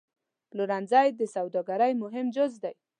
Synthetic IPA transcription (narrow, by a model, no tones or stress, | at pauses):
lʊɾanzajd̪əsawd̪ɔɡaɾajmʊɦɪmd͡ʒʊzd̪aj